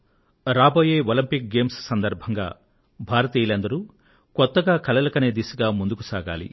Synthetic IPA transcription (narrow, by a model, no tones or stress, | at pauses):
ɾaːbo̞ːje̞ːolɐmpik̚ɡe̞ːmssɐnd̪ɐɾbʱɐŋɡa̰ː | bʱaːɾɐt̪iːjilɐnd̪ɐɾu | kɔt̪ːɐɡaːkʰɐlɐlɐkɐneːd̪iːsuɡaːmund̪ukusaːɡa̰ːlḭ